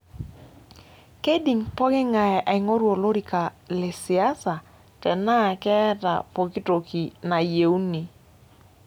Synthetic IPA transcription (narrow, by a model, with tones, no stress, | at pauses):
ke˦di˨ŋpɔ˦kɪ˦ŋa˨ɛ˨ʔa˨i˨ŋo˦ɾwo˨lo˦ɾi˨ka˨lɪ˨sɪ˨a˦sa˨ | tɛ˨na˦˨kɛ˦ta̰˨po˨ki˦to˨ki˨na˨je˨u˦ni˨